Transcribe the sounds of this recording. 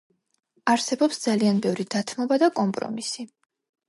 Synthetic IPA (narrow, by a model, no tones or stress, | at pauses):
aɾsɛbɔpsd̪z̥alianbɛvɾid̪at̪ʰmɔbad̪akʼɔmpʼɾɔ̰misi